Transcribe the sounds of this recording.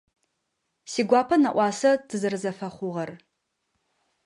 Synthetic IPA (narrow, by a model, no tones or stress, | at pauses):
siːɡʷɑːpʰɐnɐʔʷɑːsɐtʰɨzɨrɨzɐfɐχʷʊʁɐr